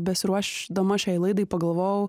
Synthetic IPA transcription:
bʲɛsʲɪɾuɔʃʲd̪ɐmɐʃʲɛɪlˠɐɪd̪ɐɪpɐɡɐlˠʋoːjɛʊ

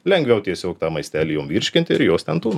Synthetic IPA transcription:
lʲɛŋʲɡʲʋʲɛʊt̪ʲiɛsʲoːkt̪ɑːmɐɪsʲt̪ʲæːlʲiːjoːmʋʲiːɾʲʃʲkʲɪnʲt̪ʲɪɪɾjoːst̪ʲɛnt̪uːn

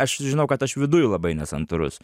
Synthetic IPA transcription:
ɐʃʒʲɪnɐʊkɐt̪ɐʃʋʲɪd̪ʊjʊlˠɐbɐɪnʲɛsɐnt̪ʊɾʊ̰s

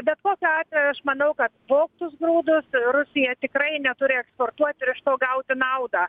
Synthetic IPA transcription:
bʲɛt̪koːkʲoɑːt̪ʲʋʲɛjʊɐʃmɐnɐʊkɐt̪ʋoːkt̪ʊsɡɾuːd̪ʊsrʊsʲɪjɛt̪ʲɪkrɐɪnʲɛt̪ʊɾʲɪɛkspoːrt̪uɔt̪ʲɪɾɪʃt̪oːɡɐʊt̪ʲɪnɐʊd̪ɑ

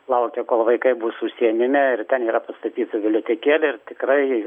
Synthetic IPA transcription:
lˠɐʊkʲɛkoːlˠʋɐɪkɐɪbuːsʊsʲiɛnʲɪmʲɛɪrt̪ʲɛniːɾɐpɐst̪ɐt̪ʲiːt̪ʊʋʲɪlʲoːt̪ʲeɛkʲeːlʲɪɪrt̪ʲɪkɾɐɪ

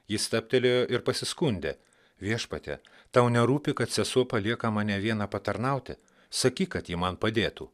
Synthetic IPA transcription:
jɪst̪ɑːp̚ʲt̪ʲelʲejoːʔɪɾpɐsʲɪskʊnʲd̪ʲḛ | ʋʲiɛʃpɐt̪ʲɛ̰ | t̪ɐʊnʲɛɾuːpʲɪkɐt̪sʲɛsuɔpɐlʲiɛkɐmɑːnʲɛʋʲiɛnɐpɐt̪ɐɾnɐʊt̪ʲɪ̰ | sɐkʲiːkɐt̪jimɐnpɐd̪ʲeːt̪uː

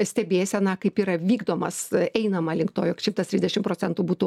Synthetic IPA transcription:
sʲt̪ʲɛbʲeːsʲɛnɐkɐɪpiːɾɐʋʲiːɡd̪oːmɐsɛɪnɐmɐlʲɪŋkt̪oːjokʃʲɪmpt̪ɐst̪ɾʲɪzdʲɛʃʲɪmpɾoːt͡sʲɛnt̪ubuːt̪u

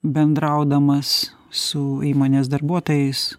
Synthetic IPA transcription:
bʲɛnd̪ɾɐʊd̪ɐmɐs | sʊiːmoːnʲeːs̬d̪ɐrbuɔt̪oːjɛɪs

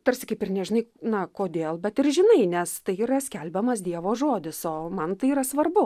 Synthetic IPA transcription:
t̪ɐɾʲsʲɪkɐɪpɪrnʲɛʒʲɪnɐɪnɐkoːd̪ʲeːlˠbʲɛt̪ɪrʒʲɪnɐɪnʲɛst̪ɐɪiːɾɐsʲkʲɛlʲbʲɛmɐsd̪ʲiɛʋoːʒoːd̪ʲɪsoːmɐnt̪ɐɪiːɾɐsʋɐrbʊ

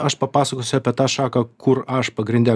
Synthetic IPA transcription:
ɐʃpɐpɑːsɐkoːsʲʊɐpʲiɛt̪ɑːʃɑːkɐkʰʊɾɐʃpɐɡɾʲɪnʲd̪ʲɛ

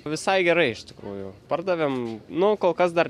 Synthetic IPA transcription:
ʋʲɪsɐɪɡʲɛɾɐɪɪʃt̪ʲɪ̥kɾṵːjʊpɐrd̪ɐʋʲeːmnʊkoːlˠkɐs̬d̪ɐr

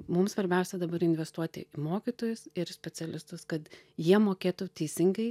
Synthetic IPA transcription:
mʊmsʋɐɾʲbʲɛʊsʲɛd̪ɐbɐɾɪnʲʋʲɛst̪uɔt̪ʲɪ̰ɪmoːkʲiːt̪oːjʊsɪɾsʲpʲɛsʲɛlʲɪst̪ʊskɐt̪ | jiɛmoːkʲeːt̪ʊt̪ʲɛɪsʲɪŋɡɐɪ

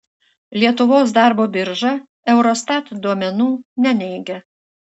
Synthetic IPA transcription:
lʲiɛt̪ʊʋoːsd̪ɑˑɾboːbʲɪɾʒɑ | ɛʊɾɔst̪ɑt̪d̪uɔmʲɛnuːnʲɛnʲɛɪɡʲɛ

